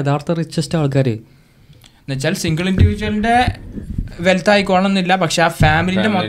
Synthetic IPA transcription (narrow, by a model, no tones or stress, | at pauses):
eðaːrt̪ʰɐrit͡ɕʋestaːɭk̬aːɾɨ | net͡ɕːalsiŋɡɐɭinɖiʋid͡ʑɐnde̞ | ʋelt̪aːjikːoːɳɐɳenːilːɐpɐkʂe̞aːfaːmilindemo